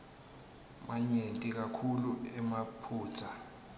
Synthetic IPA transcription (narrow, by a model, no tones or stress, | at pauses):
maɲentʼik̬akʰuluɛmapʰu̥ːt͡sʰa